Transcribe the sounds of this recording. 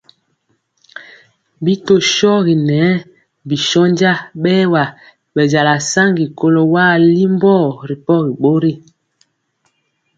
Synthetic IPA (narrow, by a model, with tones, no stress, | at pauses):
bi˦to˦ʃɔ˦ɣi˨nɛ˨˦ | bi˨ʃɔ˦nd͡ʒa˦ɓɛː˦wa˨ | ɓɛ˨d͡ʒa˨la˨sa˦ŋɡi˨ko˦lo˨waː˦˨li˦mbɔ˦˨ɾi˨pɔ˦ɣi˨ɓo˦ɾi˦˨